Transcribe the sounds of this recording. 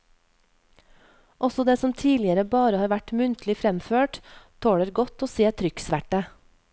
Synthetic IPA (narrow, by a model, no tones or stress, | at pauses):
ʔɔsɔd̪eːsɔmt̪ʰiːlɪəɾəbɑːɾəhɑːɾʋæʈmʉnt̪ʰlɪfɾɛmføːʈt̪ʰoːɽəɾɡɔt̪oːseːt̪ʰɾʏksʋæʈə